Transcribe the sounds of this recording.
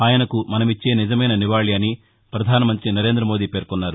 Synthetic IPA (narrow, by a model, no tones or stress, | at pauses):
aːjɐnɐkumɐnɐmit͡ʃːe̞ːnid͡ʒɐmɐjnɐniʋaːɭiɐni | pɾɐd̪ʱaːnɐmɐnt̪ɾinɐɾe̞ːnd̪ɾɐmo̞ːd̪iːpe̞ːɾkɔnːaːɾu